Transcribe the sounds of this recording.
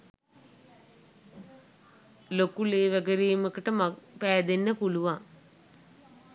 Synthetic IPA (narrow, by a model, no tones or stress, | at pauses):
lokuleːʋæɡəɾijːməkəʈəmapæːd̪enːəpuluʋaŋ